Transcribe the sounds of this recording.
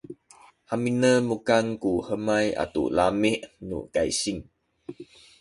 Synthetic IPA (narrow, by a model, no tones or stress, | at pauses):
haminəmukaŋkuhəmaja̰tṵlamiʔnṵkajsiŋ